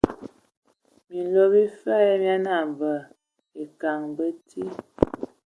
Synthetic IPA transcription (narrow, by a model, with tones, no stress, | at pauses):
mi˨n˨lo˦bi˦fɛ˦mja˦na˨ɱvə˨ | e˨ka˨ŋbə˦tʰi˦